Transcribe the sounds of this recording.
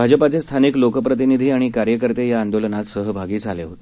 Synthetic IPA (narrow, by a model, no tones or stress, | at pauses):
bʱad͡ʑəpat͡sest̪ʰaniklokəpɾət̪̬inid̪ʱiːaɽ̃ikaɾjəkəɾt̪ejaːnd̪olənat̪səɦəbʱaɡiːt͡saleɦot̪e̥